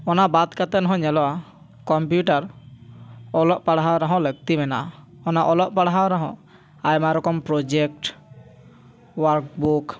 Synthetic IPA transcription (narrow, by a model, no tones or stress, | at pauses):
ɔnabat̪kat̪ɛnɔɦɔ̃ɲɛlɔwa | kɔmpjuʈaɾ | ɔlɔʔpaɽaɦawɾaɦɔ̃ləɡ̚t̪imɛnaʔa | ɔnaʔɔlɔʔ̚paɽaɦawɾaɦɔ̰̃ʔ | ajmaɾɔkɔmpɾɔd͡ʒɛk̚ʈ | waɾkbuk